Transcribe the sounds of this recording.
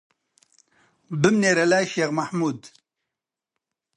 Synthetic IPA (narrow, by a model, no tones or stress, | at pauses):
bɨmneːɾɛlaːjʃeːɣmaħmuːd̪